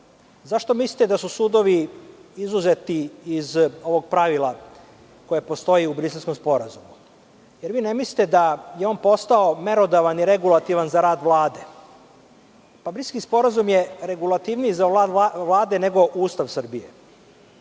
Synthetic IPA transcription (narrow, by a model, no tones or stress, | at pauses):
zaʃt̪o̞misli̥t̪ed̪asusuːd̪o̞ʋiizuzet̪iːzo̞ʋo̞ɡ̚pɾaʋilˠa | ko̞jepo̞st̪o̞iubɾiselsko̞mspo̞ɾazumu | jeɾʋiːnemisli̥t̪ed̪ajeoːnpo̞st̪ao̞me̞ɾo̞d̪aʋaniɾe̞ɡulˠat̪iʋanzaɾaːd̪ʋlˠaːd̪e | pabɾisʲkispo̞ɾazumjeɾeɡulˠat̪iʋniizaʋlaːd̪ene̞ɡo̞ʔuːst̪aʋsr̩bijḛ